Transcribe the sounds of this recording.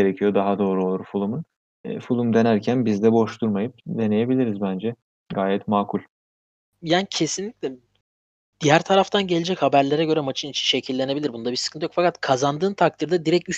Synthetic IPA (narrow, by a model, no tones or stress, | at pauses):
eɾecʰijod̪aɦad̪o̞ːɾuo̞lˠuɾufulˠumun̰ | fulˠumd̪e̞næɾcʰænbizd̪ɛbo̞ʃt̪uɾmajɯp̚d̪e̞ne̞je̞bilʲiɾizbænd͡ʒɛ | ɡaːjɛt̪maːkʰulʲ | jaːnicʰe̞sinlʲicʲlʲɛ | d̪̥ijæɾt̪ʰaɾaft̪ʰanɟe̞lʲed͡ʒɛchabæɾlʲeɾɛɟø̞ɾɛmat͡ʃʰinit͡ʃʰi̥nʃe̞cʰilʲːe̞ne̞bilʲiɾbunud̪abisɨ̥kʰɯnt̪jokfakat̪kʰazand̪ɯːnt̪ʰak̚t̪ʰiɾd̪ad̪iɾɛcy